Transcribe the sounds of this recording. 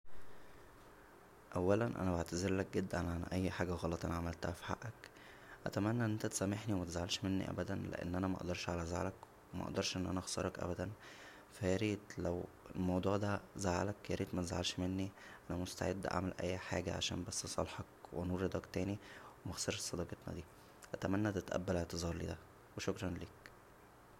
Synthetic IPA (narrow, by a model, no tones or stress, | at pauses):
ʔæwːælænʔæ̰næbaʕt̪æzeɾlæk̚ɡed̪ːænʕanʔæjːħaːɡæɣɑlɑt̪ˤʔæ̰nʕamælt̪æhæfi̥ħa̰ʔːæk | ʔæ̰t̪æmænːæʔnʔent̪æt̪e̥sæmːeħniwemæt̪ezʕalʃmenːḭʔæ̰bæd̪ænlḛʔḛnːʔænæmæʔɑʔd̪ɑɾˤʃʕalæza̰ʕlæk | wemæ̰ʔɑ̰ʔd̪ɑɾˤʃʔenːʔænæʔɣsɑɾˤɑkʔæ̰bæd̪æn | fæjeɾiːd̪læwelmɑwd̪ˤuːʕd̪æzaʕa̰lækjeɾiːd̪mæt̪ezʕalʃmenːiʔænæmost̪aʕed̪ːʔa̰ʕmælʔæ̰jːħaːɡæ̰ʕa̰ʃæ̰ːnbæsːsˤɑ̰lħɑkwenuːɾˤed̪ɑkt̪æːniwemɑxsˤɑɾʃe̥sˤɑd̪ˤɑːɡet̪nɑ̰d̪iː | ʔæt̪æmænːæt̪et̪ʔæ̰bːæleʕt̪ezˤɑːɾˤlḭd̪æ | weʃokɾˤɑnleːk